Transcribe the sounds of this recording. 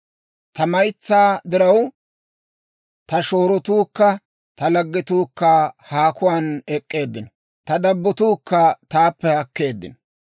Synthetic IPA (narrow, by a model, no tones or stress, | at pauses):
t̪ɐmɐjt͡sːaːd̪ɪɾɐw | t̪ɐʃo̞ːɾɔt̪uːkːɐ | t̪ɐlɐɡːɪt̪uːkːɐhaːkʊwaːnɛkʼːe̞ːd̪ːɪnɔ | t̪ɐd̪ɐbːɔt̪uːkːɐt̪aːpːɛhɐkːe̞ːd̪ːɪ̰nɔ